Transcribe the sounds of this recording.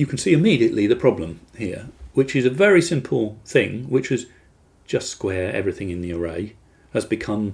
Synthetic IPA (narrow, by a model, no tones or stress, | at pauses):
jɨkʰn̩siɨmiɾiɨʔˡliðɨpʰɹ̥ɑblə̃m | hiɹwɨt͡ʃɨzɨvɛɹisɪ̃mpʰl̩ˠθɪ̃ŋwɨt͡ʃʌz̥ | d͡ʒ̥ʌstskwɛɹɛ̰vɹiθɪ̃ŋɨ̃nðiə˞ḛɪ | ɨzbɨkʰʌ̃m